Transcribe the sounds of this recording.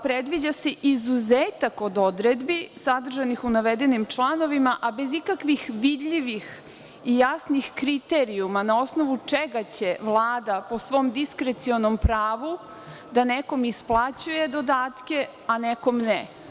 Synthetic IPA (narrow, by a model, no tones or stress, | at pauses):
pɾed̪ʋid͡ʑaseʔizuzeːt̪ako̞d̪o̞d̪ɾed̪bisad̪r̩ʒanixunaʋed̪enimt͡ʃlˠano̞ʋimaʔabezikakʋixʋid̪ʎiʋix | ijasnixkɾit̪eɾiumanao̞sno̞ʋut͡ʂeɡat͡ɕe̞ʋlˠaːd̪apo̞sʋo̞md̪iskɾet̪sionompɾaːʋu | d̪aneko̞misplˠat͡ɕuje̞d̪o̞d̪aːt̪ke̞ | aneko̞mne